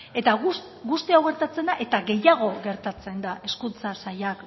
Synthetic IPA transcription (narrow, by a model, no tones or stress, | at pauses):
e̞t̪au | ɡust̪iawɣe̞ɾt̪at͡se̞nd̪aʔe̞t̪aɣe̞jaɣ̞o̞ɣe̞ɾt̪at͡se̞nd̪ae̞skunt͡sasajak